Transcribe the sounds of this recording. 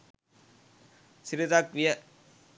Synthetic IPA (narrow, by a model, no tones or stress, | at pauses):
sɪɾɪðaːk̚ʋɪjɐ